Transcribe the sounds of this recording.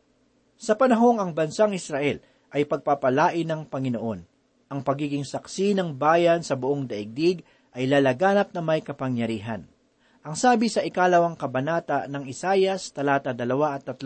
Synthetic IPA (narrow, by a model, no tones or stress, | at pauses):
sɐpɐnɐɦo̞ŋɐŋbɐnsaŋɪsɾɐʔɛl | ʔɐjpɐɡ̚papɐlaːʔɪnɐŋpɐŋɪno̞ʔo̞n | ʔɐŋpɐɡiːɡɪŋsɐksinɐŋbaːjɐnsɐbʊʔoŋd̪ɐʔɪɡ̚d̪iɡ | ʔɐjlalɐɡaːnɐp̚nɐmɐjkɐpɐŋjɐɾiːɦɐn | ʔɐŋsaːbɪsɐʔɪkaːlɐwaŋkɐbɐnaːt̪ɐnɐŋɪsaːjɐst̪ɐlaːt̪ɐd̪ɐlɐwaʔɐt̪ːɐt̪lo